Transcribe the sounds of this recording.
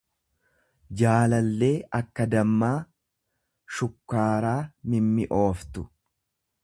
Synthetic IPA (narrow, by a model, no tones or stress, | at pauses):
d͡ʒaːlɐlːe̞ːʔɐkːɐd̪ɐmːaː | ʃʊkːaːɾaːmɪmːɪʔo̞ːft̪ʊ̥